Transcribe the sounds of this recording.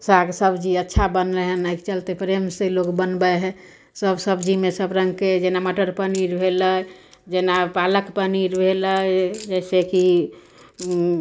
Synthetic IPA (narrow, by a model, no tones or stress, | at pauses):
saɡsəbd͡ʒiətːʃʰabənləɦənəkt͡ʃəlt̪epɾemselokbənbəɦɛ | səbsəbd͡ʒimesəbɾəŋɡked͡ʒenaməʈəɾpəniɾbʱelə | d͡ʒenapaləkpəniɾbʱeləd͡ʒɛɪseki